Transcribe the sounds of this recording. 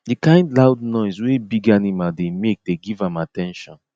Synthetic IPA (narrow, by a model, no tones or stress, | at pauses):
dikãɪ̃ndlawdnɔɪswebiɡanimaldemek̚deɡivãmatɛ̃nʃɔ̃n